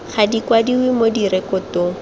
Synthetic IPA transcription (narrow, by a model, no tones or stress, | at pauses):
χadikwadiwɪmodiɾɛkʊtʊ